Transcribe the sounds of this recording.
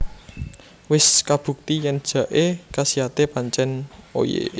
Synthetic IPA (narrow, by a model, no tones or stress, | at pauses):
wɪskab̥ṳk̚t̪ijɛnd̥ʒ̥ä̤ʔekasiat̪epaɲt͡ʃɛno̰jḛ